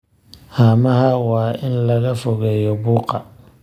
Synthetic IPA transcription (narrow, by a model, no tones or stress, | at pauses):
haːmɐhɐwaːɪnlɐɣɐfɔɣɛːjɔbuːqɑ